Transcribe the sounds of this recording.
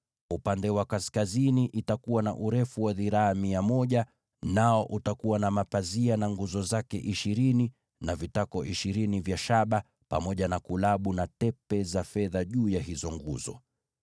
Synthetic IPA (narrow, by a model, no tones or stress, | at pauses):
upandɛwakaskaziniʔitakuwana̰ʔuɾɛfuwaðiɾaːmiamɔʄa | naɔʔutakuwanamapazianaŋɡuzɔzakɛ̰ʔiʃiɾini | navitakɔʔiʃiɾinivjaʃaɓa | pa̰mɔʄanakulaɓunatɛpɛzafɛðaʄuːjaɦizɔŋɡuzɔ̰